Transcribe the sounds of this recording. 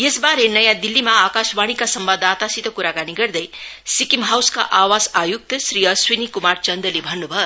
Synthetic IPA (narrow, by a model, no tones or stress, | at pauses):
jesbaɾenʌjãd̪ilːimaːkasbaɽ̃ikasʌmbad̪at̪asit̪ʌkuɾakaniɡʌrd̪ʌjsikimɦawska̰ʔawasajuk̚t̪ʌsrijʌswinikumart͡sʌnd̪ʌlebʱʌnːubʱʌ